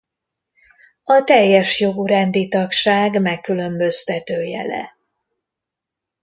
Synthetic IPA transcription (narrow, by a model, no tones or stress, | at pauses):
ɒt̪ɛjːɛʃjo̞ɡuɾɛnd̪it̪ɒkʃaːɡmɛkːylø̞mbø̞st̪ɛt̪øːjɛ̰lɛ̰